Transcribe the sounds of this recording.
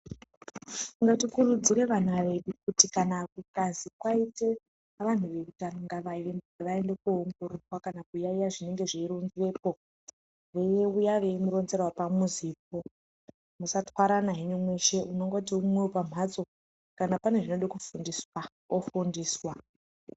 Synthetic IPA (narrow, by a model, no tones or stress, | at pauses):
ŋɡatikuɾud͡ziɾe̞ʋanaʋe̞ɗukutikanakukazikwaite | ʋan̤uʋe̞kutanoŋɡaʋa | ʋae̞ndekuːŋɡoɾurwakanakujaijaʐine̞ŋɡe̞ʐeiɾunzʋe̞ːpo̞ | ʋe̞jeujaʋe̞imuɾo̞nze̞rwapamuziːp̚o | musatwaɾanaɦiɲomwe̞ʃe̞uno̞ŋɡot̬iumwewopam̤ad͡zo̞ | kanapane̞ʐinoɗikufundiswa | ofundiːswa